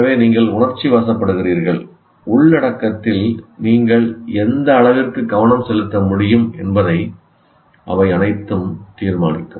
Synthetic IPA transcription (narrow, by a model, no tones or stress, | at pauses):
ɐʋeːniːŋɡɐɭʊɳɐɾt͡ʃːiʋɐsɐpːɐɽɯɣɪriːɾɣɐɭ | ʊɭnɐɽɐkːɐt̪ːɪlniːŋɡɐɭɛnd̪ɐːɭɐʋɪrkɯɡɐʋɐnɐmsɛlɯt̪ːɐmʊɽɪjɯmɛnbɐðɐɪ | ʔɐ̰ʋɐɪɐnɐɪt̪ːɯmt̪iːɾmaːnɪ̰kːɯm